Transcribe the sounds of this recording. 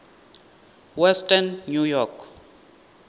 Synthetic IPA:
wɛstʰʼanːujɔkʰ

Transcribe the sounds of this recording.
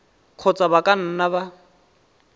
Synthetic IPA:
q͡χʰɔt͡sʼabakʼan̩naβa

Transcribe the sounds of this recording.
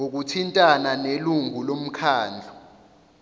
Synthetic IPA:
ŋok̬utʰintʼananeluŋulom̩kʰaːnd͡ɮʱu

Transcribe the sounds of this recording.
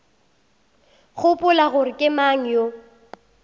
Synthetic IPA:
χʊpʼʊlaɣʊɾɪkʼɪmaŋ̩jo

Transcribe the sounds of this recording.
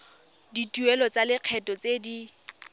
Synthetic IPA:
ditʼuɛlɔt͡salɪq͡χʰɛtʼɔt͡sedi

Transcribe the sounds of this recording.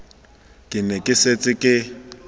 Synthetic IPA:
kʼɪnɛkʼɪset͡sʼɪkʼɪ

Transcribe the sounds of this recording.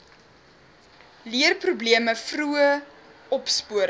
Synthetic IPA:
liərprubliəməfruə | ɔpspuəɾ

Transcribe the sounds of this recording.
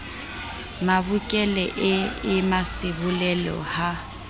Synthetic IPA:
mabʊkʼɛlɛʔɪɪmasɪbʊlɛlɔ̰ha

